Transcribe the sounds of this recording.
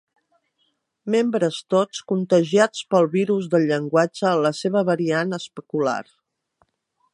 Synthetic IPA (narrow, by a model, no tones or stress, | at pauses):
membɾəst̪ot͡skunt̪əʒiat͡spəlˠβiɾuzðəlʎəŋɡwad͡ʒəːləseβəβəɾianəspəkula̰r